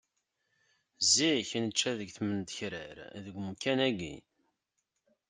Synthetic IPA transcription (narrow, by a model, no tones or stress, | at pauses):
ziçnət͡ʃːæðəɡθmənt̪əçɾəɾðəɡʷmukːænæɡːḭ